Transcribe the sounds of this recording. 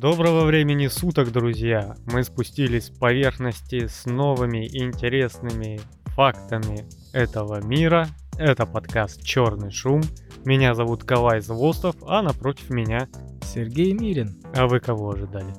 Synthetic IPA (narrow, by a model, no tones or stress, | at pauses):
d̪o̞bɾəvəvɾʲemʲɪnʲɪsut̪əɡd̪ɾʊzʲjamɨspʊsʲtʲilʲɪsʲfpɐvʲe̞rxnəsʲtʲɪsno̞vɨmʲɪʔnʲtʲɪɾʲe̞snɨmʲɪ | fakt̪əmʲɪ | ɛt̪əvəmʲiɾə | ɛt̪əpɐt̪kast̪̚t͡ɕo̞rnɨjʂumːʲ | ɪnʲazɐvut̪kɐlˠajzvˠost̪əfɐnɐpɾo̞tʲɪ̥fmʲɪnʲasʲɪrɡʲejmʲiɾʲɪnɐvɨkɐvo̞ɐʐɨd̪alʲɪ